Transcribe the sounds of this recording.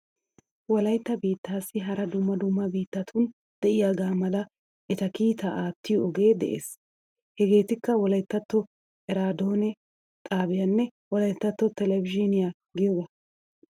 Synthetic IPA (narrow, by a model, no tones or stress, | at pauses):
wɔlɐjt̪ːɐbiːt̪ːaːsːɪɦɐɾɐd̪ʊmːɐd̪ʊmːɐbiːt̪ːɐt̪ʰʊn | d̪̥ɛʔɪjaːɡaːmɐlɐ | ʔɛt̪ɐkiːt̪ɐʔaːt̪ːɪjɔʔːɡe̞ːd̪ɛ̰ʔḛːs | hɛɡe̞ːt̪ɪkːɐwɔlɐjt̪ːɐt̪ːɔ | ɛɾaːd̪oːnɛ | t̪ʼaːbɪjɐnːɛwɔlɐjt̪ːɐt̪ːɔt̪ɛlɛvɪd͡ʒinɪja | ɡɪjoɡɐ